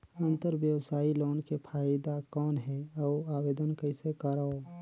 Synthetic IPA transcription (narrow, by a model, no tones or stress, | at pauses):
ə̃nt̪əɾʋjəwsaːiloːnkepʰaːɪd̪akɔːnɦɛɔːaːweːd̪ənkəɪsekəɾo